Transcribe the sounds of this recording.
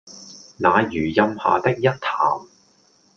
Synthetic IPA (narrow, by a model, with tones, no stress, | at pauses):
naː˨˧jyː˨˩jɐ˧mha̰ː˨t̪ɪ˥k̚jɐ˥t̚t̪ʰaː˨˩m